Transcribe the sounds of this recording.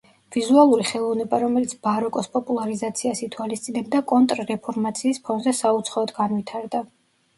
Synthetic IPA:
vizualˠuɾiχɛlˠɔvnɛbaɾɔmɛlit̪sʰbaɾɔkʼɔspʼɔpʼulˠaɾizat̪sʰiasit̪ʰwalist̪sʼinɛbd̪akʼɔnt̪ʼɾɾɛpʰɔɾmat̪sʰiːspʰɔnzɛsaut̪sʰχaɔd̪ɡanvit̪ʰaɾd̪a

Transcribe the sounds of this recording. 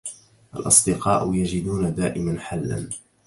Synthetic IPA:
ʔa̰lʔɑ̰sˤd̪ɪqɑːʔʊjad͡ʒɪd̪uːnad̪aːʔɪmanħalːa̰n

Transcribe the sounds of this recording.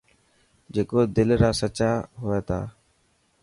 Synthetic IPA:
d͡ʒeːkoːd̪ɪlɾaːsət͡ʃaːɦʊeːt̪ʰa̰ː

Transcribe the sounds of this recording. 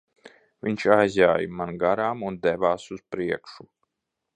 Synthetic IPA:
vʲiɲt͡ʃajzʲaːjmanɡaɾaːmund̪ɛvaːsuspɾiɛkʃu

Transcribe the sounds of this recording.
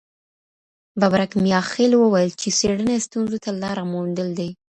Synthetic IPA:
babɾakmijɑxelwəwajəlt͡ʃeseɽənast̪unzot̪alɑɾamund̪əld̪aj

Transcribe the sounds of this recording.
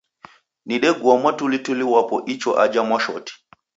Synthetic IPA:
niɗɛɡwɔmwatulituliwapɔʔit͡ʃɔʔad͡ʒamwaʃɔti̥

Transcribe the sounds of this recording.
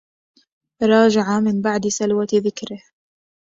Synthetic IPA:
ɾˤɑːd͡ʒaʕamɪnbaʕd̪salwaðɪkɾɪh

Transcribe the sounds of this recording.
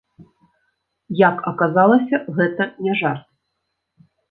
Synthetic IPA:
jakɐkazalˠɐsʲɐɣɛt̪ɐnʲɛʐart̪̚

